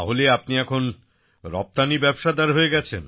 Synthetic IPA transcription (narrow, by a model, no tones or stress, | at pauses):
aɦoleapniɛkʰon | ɾɔp̚t̪anibɛbʃad̪aɾɦoeɡɛt͡ɕʰḛn